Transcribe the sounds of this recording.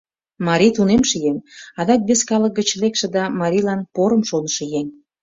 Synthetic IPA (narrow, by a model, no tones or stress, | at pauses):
mɑɾʲit̪unemʃijemɑd̪ɑk̚beskɑlək̚ɡət͡ɕlekʃĕd̪ɑmɑɾʲilɑnpoɾə̆mʃonəʃĕjeŋʲ